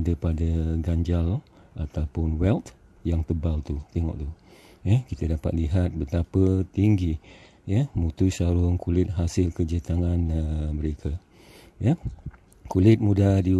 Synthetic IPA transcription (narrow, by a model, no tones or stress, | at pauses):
dəpadəɡaɲd͡ʒal | ʔat̪awpʊnwɛlt̪ | jaŋt̪əbalt̪ut̪eŋɔ̰ʔt̪u | jəkit̪ədapa̰t̪̚liɦat̪̚bət̪apət̪iŋɡi | jəmut̪usaɾʊŋkulɪt̪̚ɦasɪlkəd͡ʒət̪aŋãnəmə̃ɾekʰə | jə | kulɪt̪̚mudadi